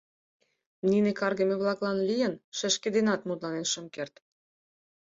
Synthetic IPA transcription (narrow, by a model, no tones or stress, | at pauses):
ninekɑrɣĕmʲeβlɑklɑnlʲijə̆nʃĕʃkĕd̪enɑt̪mut̪lɑnenʃə̆mkert̪